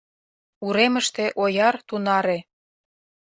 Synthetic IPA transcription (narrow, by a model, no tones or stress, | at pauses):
uɾemə̆ʃt̪ĕʔojɑrt̪unɑɾe